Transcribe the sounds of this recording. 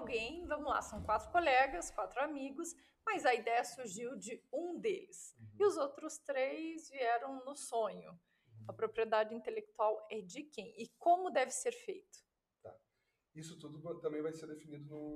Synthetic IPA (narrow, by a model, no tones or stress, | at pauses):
awɡẽj̃vɐ̃mʊla̰sɐ̃w̃kwat̪ɾʊkolɛɡɐskwat̪ɾʊamiɡʊs | mɐzɐid̪ɛjɐsuɾʒiwd͡ʒɪũd̪elɪsɪʊzowt̪ɾʊst̪ɾejzviɛɾɐ̃w̃nʊsõɲʊ̰ | ɐpɾopɾied̪ad͡ʒɪĩnt̪elek̚t̪uawɛd͡ʒɪkẽj̃ɪkõmʊd̪ɛvɪseɾfejt̪ʊ̥ | t̪a̰ | isʊt̪ud̪ʊt̪ɐ̃mbẽj̃vajseɾd̪efinid̪ʊnʊ